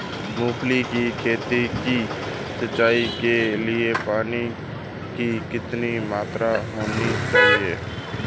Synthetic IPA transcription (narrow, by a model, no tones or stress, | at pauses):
muːpʰlikikʰeːt̪iki | səːaːikeliepaːni | kikɪt̪nimaːt̪ɾaɦoːnit͡ʃaːɦieː